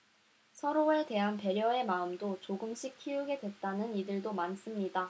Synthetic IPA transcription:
sʰʌɾoeɭte̞ɦanpe̞ɾjʌe̞maɯmdot͡ɕoɡɯmɕʰikʰijuɡe̞dwe̞t̚t͈anɯnidɯɭdomans͈ɯmɲida

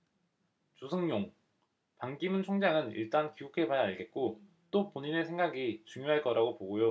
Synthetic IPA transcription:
t͡ɕusʰɯŋɲoŋ | paŋɡimɯnt͡ɕʰoŋd͡ʑaŋɯnḭɭt͈ankiukʰe̞pajaaɭɡe̞t̚k͈o | t͈opoɲine̞sʰe̞ŋɡaɡit͡ɕuŋjoɦaɭk͈ʌɾaɡopoɡojo

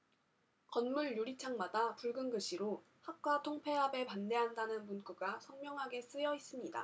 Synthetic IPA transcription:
kʌnmuɭjuɾit͡ɕʰaŋmadapuɭɡɯnɡɯɕʰiɾo | hak̚k͈watʰoŋpʰe̞ɦabe̞pande̞ɦandanɯnpunk͈uɡasʰʌnmjʌŋɦaɡe̞s͈ɯjʌis͈ɯmɲida̰

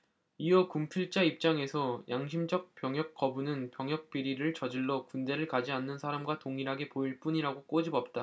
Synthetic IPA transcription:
iʌkumpʰiɭt͡ɕ͈aip̚t͡ɕ͈aŋe̞sʰʌjaŋɕʰimd͡ʑʌk̚p͈jʌŋɦjʌk̚k͈ʌbunɯnpjʌŋɦjʌk̚p͈iɾiɾɯɭt͡ɕʌd͡ʑiɭːokunde̞ɾɯɭkad͡ʑianːɯnsʰaɾamɡwatoŋiɾɦaɡe̞poiɭp͈uɲiɾaɡok͈od͡ʑibʌp̚t͈a

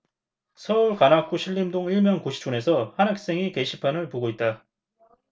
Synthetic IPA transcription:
sʰʌuɭkanak͈ʰuɕʰiɭːimdoŋiɭmjʌnkoɕʰi̥t͡ɕ͈une̞sʰʌhanak̚s͈e̞ŋike̞ɕʰipʰanɯɭpoɡoit̚t͈a

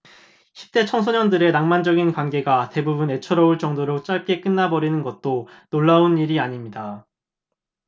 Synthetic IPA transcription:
ɕʰi̥p̚t͈e̞t͡ɕʰʌŋsʰoɲʌndɯɾe̞naŋmand͡ʑʌɡinkwanɡe̞ɡate̞bubune̞t͡ɕʰʌɾʌuɭt͡ɕʌŋdoɾok̚t͡ɕ͈aɭk͈e̞k͈ɯnːabʌɾinɯnɡʌt̚t͈onoɭːauniɾiaɲimɲida

